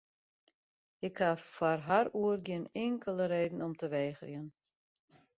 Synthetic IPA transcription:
ɪkhafarɦaɾuərɡɪənɪŋkʰələɾeːdn̩ɔmtəʋɛːxərjən

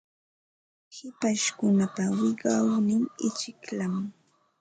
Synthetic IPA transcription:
hɪpaʃkʊnapawɪɢɑwnɪŋɪt͡ʃɪklam

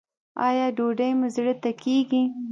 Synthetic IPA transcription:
ɑjɑɖoɖəjmʊzɽət̪akeɡi

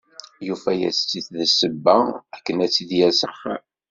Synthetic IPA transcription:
jufæjæ̰st͡sːiθðəsəbːæækːənæt͡sːiðjæsəχ

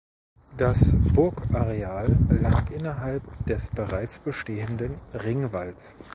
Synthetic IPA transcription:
d̥asb̥ʊɐkʔaʁeaːlːaːkʔɪnɐɦalp̚d̥ɛsb̥əʁaɪt͡sb̥əʃteːəndənʁɪŋvals

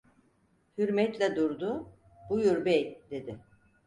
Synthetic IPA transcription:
hyɾmɛt̪lʲɛd̪uɾd̪ʊ | b̥ujyɾbɛjd̪̥e̞d̪ɪ

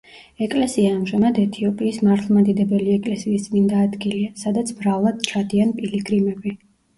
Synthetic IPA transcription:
ɛkʼlɛsiaːmʒamad̪ɛt̪ʰiɔpʼiːsmaɾt̪ʰlˠmad̪id̪ɛbɛliɛkʼlɛsiːsd̪ʼmind̪aːd̪ɡiliasad̪at̪sʰbɾavlˠad̪̥t͡ʃʰad̪ianpʼiliɡɾimɛbi

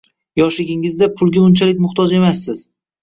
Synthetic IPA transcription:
jɒʃlɪɡʲɪŋɪzd̪apʰʊlˠɡʲaʊnt͡ʃʰalɪk̚ʲmʊχt̪ʰɒd͡ʒe̞masːɪz̥

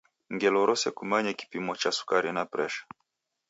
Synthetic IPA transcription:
ŋɡɛlɔɾɔsɛkumaɲɛki̥pimɔt͡ʃasu̥kaɾinapɾɛʃḁ

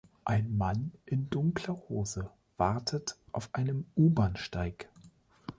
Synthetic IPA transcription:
ʔaɪnmanʔɪndʊŋkl̥ɐhoːzə | v̥aʁtʰətʔaʊfʔaɪnəmʔuːbanʃtaɪk

